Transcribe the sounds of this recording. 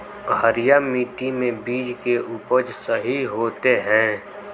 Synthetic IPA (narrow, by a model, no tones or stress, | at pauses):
ɦəɾɪjamiːʈimẽbiːd͡ʒkeʔʊpəd͡ʒsəɦiɦoːt̪eɦɛ̃ː